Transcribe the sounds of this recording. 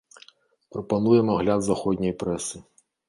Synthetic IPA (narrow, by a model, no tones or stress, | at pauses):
pɾɐpanujɛmɐɣlʲad̪zaxɔd̪ʲnʲɐjpɾɛsɨ